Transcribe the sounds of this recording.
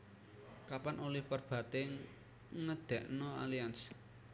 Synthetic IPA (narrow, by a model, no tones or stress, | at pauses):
kapanʔolɪhpərb̥ä̤t̪eŋ | ŋəd̪̥ɛ̤ʔnoa̰lians